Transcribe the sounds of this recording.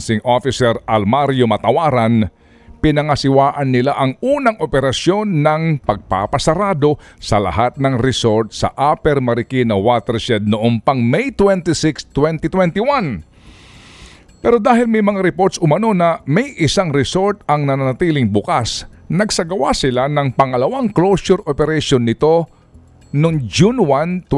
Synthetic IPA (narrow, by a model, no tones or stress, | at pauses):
sɪŋʔofɪsɛɾɐlmaɾjomɐt̪ɐwaːɾɐn | pɪnɐŋɐsɪwaːʔɐnːɪlaʔɐŋuːnɐŋʔopɛɾɐsjo̞nːɐŋpɐɡ̚pa̰pɐsɐɾaːd̪o̞sɐlɐ̰hat̪̚nɐŋɾɛso̞ɹt̪̚sɐ̰ʔapɛɾmɐɾɪkinɐwat̪ɛɾʃɛd̪̚noʔompɐŋmɛjt̪wɛnt̪ɪsɪkst̪wɛnt̪ɪt̪wɛnt̪ɪwan | pɛɾo̞d̪aːɦɪlmɐjmɐŋaɾɪpoɾt̪sʔʊmɐno̞nɐmɐjʔɪsaŋɾɛso̞ɹt̪ɐŋnɐnanɐt̪iːlɪŋbʊkasnɐɡsɐɡɐwasɪlanɐŋpɐŋɐlɐwaŋklowsʊɾʔopɛɾɛʃonːɪt̪o̞ | noŋd͡ʒunwant̪